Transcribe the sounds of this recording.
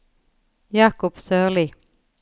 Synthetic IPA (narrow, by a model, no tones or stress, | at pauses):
jɑːkʊpsœːlɪ